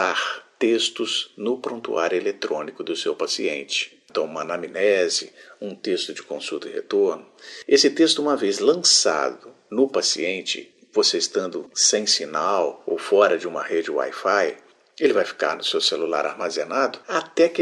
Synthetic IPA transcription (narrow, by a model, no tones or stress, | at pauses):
aɾt̪est̪ʊz̥nʊpɾõnt̪ṵaɾʊelet̪ɾõnikʊd̪ʊsewpasiẽnt͡ʃɪ̥ẽt̪ɐ̃w̃ũmɐnaminɛzɪ̰ũt̪est̪ʊd͡ʒɪkõsut̪ɐɪhḛt̪oɾnʊesɪt̪est̪ʊũmɐvezlɐ̃sa̰d̪ʊ | nʊpasḭẽnt͡ʃɪ̰ | voseɪst̪ɐ̃nd̪ʊsẽj̃sinawo̰wfɔɾɐd͡ʒɪũmɐhed͡ʒɪwa̰jfaj | elɪvajfi̥ka̰ɾnʊsewselula̰ɾa̰ɾmazenad̪ʊat̪ɛk